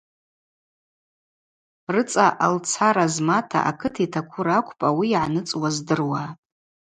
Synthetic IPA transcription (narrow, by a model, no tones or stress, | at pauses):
rɨt͡sʼaʔalt͡sʰaɾazmatʰa̰ʔa̰kʰɨtʰaitʰakʷʰʊɾakʷʰʼpʼawiːʕanɨt͡sʼwazdɨrwatʼ